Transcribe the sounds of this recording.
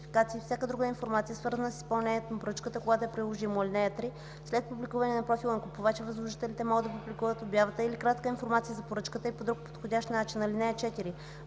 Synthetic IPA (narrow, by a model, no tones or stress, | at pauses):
fikat̪siːfsʲjakəd̪ɾuɡəinfoɾmat̪sijəsvɤɾzənəsi̥spɐlˠnɛnʲiɛt̪onɐpoɾɤt͡ʃkət̪əkoɡat̪oɛpɾilˠoʒimolʲinɛɛt̪ɾi | slɛt̪̚publikuvɐnɛnɐpɾofilˠəŋkupovɛt͡ʃɛvɐzlˠoʒit̪ɛlit̪ɛmɔɡd̪ɐpublʲikuvət̪objavət̪əilikɾat̪kəinfoɾmat̪sijəzɐpoɾɤt͡ʃkət̪əipod̪ɾuk̚po̥t̪xodʲaʃt̪nat͡ʃinɐlinɛɛt͡ʃɛt̪iɾi